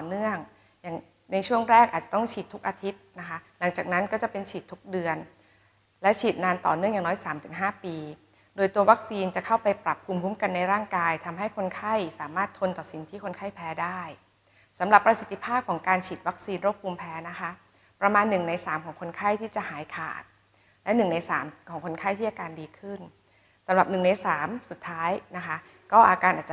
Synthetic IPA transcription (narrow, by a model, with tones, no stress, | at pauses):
t̪ɔː˨˩nɯ˥˩əŋ | jaː˨˩ŋ | na˧jt͡ɕʰu˥˩əŋɾɛː˥˩k̚ʔaː˨˩t͡ɕḁ˨˩t̪ɔ˥˩ŋt͡ɕʰiː˨˩t̪ʰːu˦˥k̚ʔaː˧t̪ʰi˦˥t̪̚na˦˥kʰa˦˥la˩˦ŋt͡ɕaː˨˩k̚na˦˥nkɔː˥˩t͡ɕa˨˩pe˧nt͡ɕʰiː˨˩t̪ʰːu˦˥k̚dɯ˧ən | lɛ˦˥t͡ɕʰiː˨˩t̪̚naː˧nt̪ɔ̰ː˨˩nɯ˥˩ŋjaː˨˩nɔː˦˥jsaː˩˦mt̪ʰɯ˨˩˦ŋɦaː˥˩piː˧ | doː˧jt̪u˧ɐwa˦˥k̚siː˧nt͡ɕa˨˩kʰa˥˩wpa˧jpɾa˨˩pʰːuː˧mpʰuː˦˥mka˧nːa˧jɾaː˥˩ŋkaː˧jt̪ʰa˧mɦa˥˩jkʰo˧nkʰa˥˩jsaː˩˦maː˥˩t̪ʰːo˧nt̪ɔː˨˩si˩˦nt̪ʰiː˥˩kʰo˧nkʰa˥˩jpʰɛː˦˥daː˥˩j | sa˩˦mɾa˨˩pːɾa˧si˨˩t̪ʰːi˦˥pʰaː˥˩p̚kʰɔː˩˦ŋkaː˧nt͡ɕʰiː˨˩t̪̚wa˦˥k̚siː˧nɾu˥˩p̚ʰːuː˧mpʰɛː˦˥na˦˥kʰa˦˥ | pɾa˧maː˧nːɯ˨˩ŋna˧jsaː˩˦mkʰɔː˩˦ŋkʰo˧nkʰa˥˩jt̪ʰiː˥˩t͡ɕa˨˩ʔhaː˩˦jkʰa̰ː˨˩t̪̚ | lɛ˦˥nɯ˨˩ŋna˧jsa̰ː˩˦mkʰɔː˩˦ŋkʰo˧nkʰa˥˩jt̪ʰiː˥˩ʔa˨˧kaː˧ndiː˧kʰɯ˥˩n | sa˩˦mɾa˨˩p̚nɯ˨˩ŋna˧jsaː˩˦msu˨˩t̪ʰːaː˦˥jna˦˥kʰa˦˥ | kɔː˥˩ʔaː˧kaː˧nʔaː˨˩t̪t͡ɕː